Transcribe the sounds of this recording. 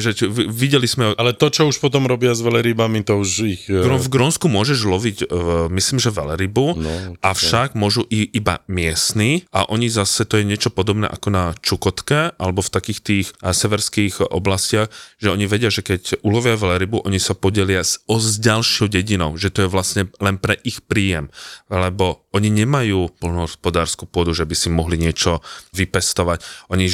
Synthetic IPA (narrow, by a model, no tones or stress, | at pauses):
ʒɛʋiɟɛlizmɛalɛt̪ɔt͡ʃɔuʃpɔt̪ɔmɾɔbɪazʋɛlɛɾibamit̪ɔuʒixɾɔvɡɾɔnskumʊɔʒɛʒlɔʋiɟmisliːmʒɛʋɛ̰lɛɾibuʔafʃaɡmʊɔʒuʔiʔiba̰mɪɛsniʔa̰ʔɔɲizasɛt̪ɔjɛɲɛt͡ʃɔpɔd̪ɔbnɛ̰ːʔa̰kɔnat͡ʃukɔt̪kɛʔa̰lɛbɔft̪akiːxt̪iːxsɛʋɛɾskiːxʔɔ̰blascɪaɣʒɛɔɲiʋɛɟɪaʒɛkɛcʔulɔʋɪaʋlɛɾibuʔɔɲisapɔɟɛlɪaɔzɟalʃɪɔʊɟɛɟinɔʊʒɛt̪ɔjɛʋlasɲɛlɛnpɾɛʔixpɾiːjɛmlɛbɔ | ɔɲiɲɛmajuːpl̩nɔɦɔspɔd̪aːɾskupʊɔd̪uʒɛbisimɔɦliɲɪɛt͡ʃɔʋipɛst̪ɔʋacʔɔɲi